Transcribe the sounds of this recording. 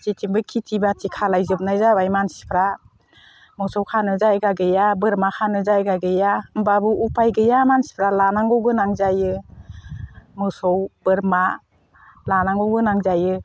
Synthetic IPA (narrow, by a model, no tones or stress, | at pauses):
sitʰimbɯkʰitʰibatʰikʰalajzɯp̚najzabajmansi̥pʰɾa | mɯsɔwkʰanɯzajɡaɡɯjabɯɾmakʰanɯzajɡaɡɯjambabɯupʰajɡɯjamansi̥pʰɾalanaŋɡɔwɡɯnaŋzajɯ | mɯsɔwb̥ɯɾma | lanaŋɡɔwɡɯnaŋzajɯ